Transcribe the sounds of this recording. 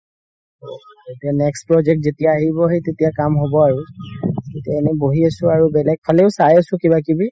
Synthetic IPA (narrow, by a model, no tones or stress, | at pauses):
o | etianɛkspɹɔd͡ʒɛk̚tzetijaːɦibɔɦejtetijakamɦobɔaɹutetijaenɛboɦiasʊ̃aɹubɛlɛɡ̚pʰalɛʊsajasʊ̃kiβakibi